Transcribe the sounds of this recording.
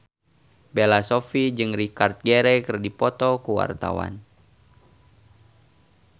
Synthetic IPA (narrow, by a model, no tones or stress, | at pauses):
belasofid͡ʒɨŋrikart̪̚ɡɛɾɛkərdipɔt̪ɔkuwa̰rt̪a̰wa̰n